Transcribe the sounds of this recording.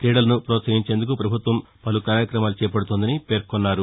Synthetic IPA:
kɾeːɽɐlɐnupɾɔːt̪sɐɦiɲt͡ʃe̞ːnd̪ukupɾɐbʱut̪ʋɐm | pɐlukaːɾjɐkɾɐmaːlut͡ʃɛːp̬ɐɽut̪ond̪ɐnipe̞ːɾkɔnːaːɾu

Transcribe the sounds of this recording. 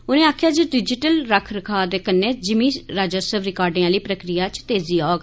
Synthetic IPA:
ʊnẽːaːkʰjaːd͡ʒeɖɪd͡ʒɪʈəlɾəkʰɾəkʰaːd̪eːkənːẽːd͡ʒɪmĩːɾaːd͡ʒəsəʋɾɪkaːɾɖĩãːliːpɾəkɾijaːt͡ʃt̪eːziːaːɡ

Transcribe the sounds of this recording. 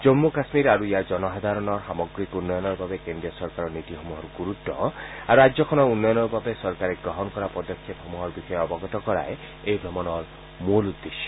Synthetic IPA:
d͡ʒɔmːukasmiɾaɾuijad͡ʒɔnɔɦad̪ʱaɾɔnɔɾxamɔɡɾikunːɔjɔnɔɾbabekendiɔsɔɾkaɾɔnit̪ixɔmuɦɔɾɡuɾut̪ːɔ̰aɾuad͡ʒzɔkʰɔnɔunːɔjɔnɔɾbabesɔɾkaɾeɡɾɔɦɔnkɔɾapɔd̪ɔkʰːep̪hɔmuɦɔɾbixɔjɔɔbɔɡɔt̪ɔkɔɾa̰je | ejbʱɾɔmɔnɔɾ | mulud̪ːeʃɔ̥

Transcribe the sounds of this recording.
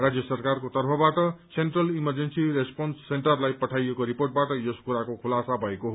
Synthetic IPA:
rad͡zjʌsʌrkarkot̪ʌrpʰʌbaʈʌsenʈrʌlimʌrd͡zensiɾespʌnsːeɳʈʌrlajpʌʈʰajekoɾiporʈ̚baʈʌjoskuɾakokʰulasabʱʌekoɦo

